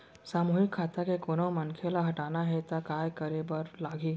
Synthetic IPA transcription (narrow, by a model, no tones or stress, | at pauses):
saːmuːɦɪkʰːaːt̪akekoːnomɐnkʰelaɦɐʈaːnaɦɛt̪akaːjkəɾebəɾlaːɡʱiː